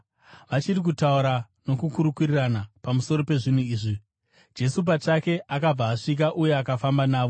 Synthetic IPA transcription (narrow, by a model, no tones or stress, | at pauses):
ʋat͡ʃirik̬utauɾa | no̞kukuɾukuriranapamuso̞ɾo̞pe̞ʐin̤uiːʐi | d͡ʒe̞sup̬at͡ʂake̞ʔakab͡vaːʂik̬aʔuje̞akafambanaːʋo̞